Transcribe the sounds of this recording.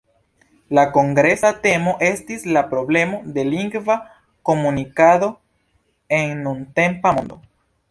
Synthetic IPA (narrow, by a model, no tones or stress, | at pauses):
lako̞ŋɡɾe̞sate̞mo̞ʔe̞stislapɾo̞ble̞mo̞de̞liŋɡva | ko̞munikado̞ | e̞nːunte̞mpamondo̞̰